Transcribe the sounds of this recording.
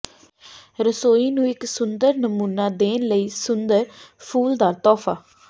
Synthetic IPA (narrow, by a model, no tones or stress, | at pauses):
ɾəsoːiːnũːɪksʊnd̪əɾnəmuːnaːd̪eːnləiːsʊnd̪əɾpʰuːld̪aːɾt̪ɔːfʰaː